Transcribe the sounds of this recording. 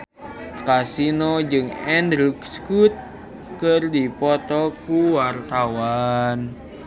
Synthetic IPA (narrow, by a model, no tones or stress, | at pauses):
kasinod͡ʒɨŋɛndɾikskut̪̚ | kərdipɔt̪ɔkuwart̪awan